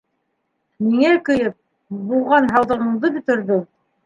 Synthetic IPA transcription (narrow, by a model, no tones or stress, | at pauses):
miŋækɵ̆jɘp̚ | bulˠʁɑnɦɑwðɤ̆ʁɤ̆ɴd̪ɤbɵ̆t̪ɵ̆ɾðɵ